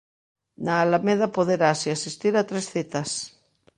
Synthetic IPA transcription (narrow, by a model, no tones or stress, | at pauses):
naːlameðapoðeɾasiasist̪iɾat̪ɾesθet̪as